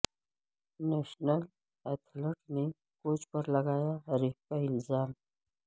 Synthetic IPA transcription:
nɛːʃnəl | ɛt̪ʰləʈne | koːt͡ʃpəɾlɐɡaːjaɾep̚kaɪnzaːm

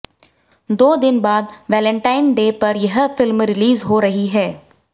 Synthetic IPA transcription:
d̪oːd̪ɪnbaːd̪ʋɛːlɛ̃ɳʈaːɪnɖeːpɐɾjɐɦfɪlmɾɪliːzɦoːɾɐɦiɦɛː

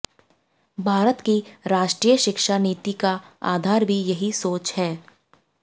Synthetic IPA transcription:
bʱaːɾət̪kiɾaːʃʈɾiːjəʃɪkʃaniːt̪ikaa̰ːd̪ʱaːɾbʱijɐɦisoːt͡ʃhɛː

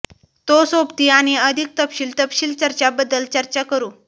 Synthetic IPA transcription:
t̪osopt̪iːaɽ̃iəd̪ʱik̚t̪əpɕiːlt̪əpɕiːlt͡ɕəɾt͡ɕabəd̪ːəlt͡ɕəɾt͡ɕakəɾuː

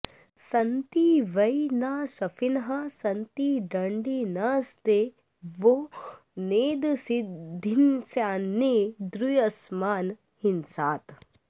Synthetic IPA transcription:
sɐnt̪iʋɐjnaːsɐfinɦɐsɐnt̪iɖɐɳɖinaːst̪e | ʋo | neːd̪sid̪ʱinsaːnːed̪ɾujɐsmaːn | hinsaːt̪

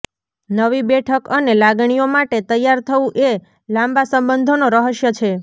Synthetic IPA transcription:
nəʋibɛʈʰəkənelaɡɳ̃ijomaʈet̪əjaɾt̪ʰəũʔe | lãmbasəmbənd̪ʱonoɾəɦəʃjət͡ʃʰe

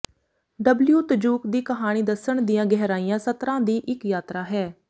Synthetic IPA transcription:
ɖəbljuːt̪əd͡ʒuːkd̪iːkəɦaːɽ̃iːd̪əsəɳd̪ɪjãːɡɛɦːɾaːijãːsət̪ɾãːd̪iːʔɪkjaːt̪ɾaːɦɛː

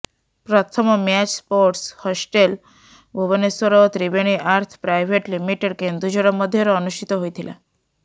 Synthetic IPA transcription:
pɾɔt̪ʰɔmmɛt͡ɕspoɾʈshɔsʈel | ɡʱubɔnesɔɾɔt̪ɾibeɽ̃iʔaɾt̪ʰpɾajbʱeʈlimiʈeɽkend̪ɾud͡ʑɔɽɔmɔd̪ʱːjɔɾɔːnuʃʈʰit̪ɔɦojt̪ʰila̰

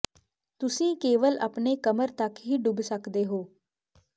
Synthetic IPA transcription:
t̪ʊsĩːkeːʋələpneːkəməɾt̪əkɦiːɖʊbsəkd̪eːɦoː

